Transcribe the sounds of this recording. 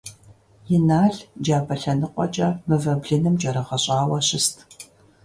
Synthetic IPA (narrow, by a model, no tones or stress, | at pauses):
jɪnaːɮd͡ʒaːbɐɬɐnɨqʷʼɔ̰t͡ʃʼɐmɨvɐbɮɨnɨmd͡ʒʼɐɾɐʁɐɕʼɑːwɐɕɪstʰ